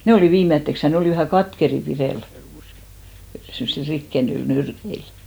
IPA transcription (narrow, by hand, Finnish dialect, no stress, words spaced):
ne oliˑ ʋiːmetːeks jɑ ne oliˑ ʋæhæ kɑtkeri pireˑl semːŏsil rikːenyil nyrkeil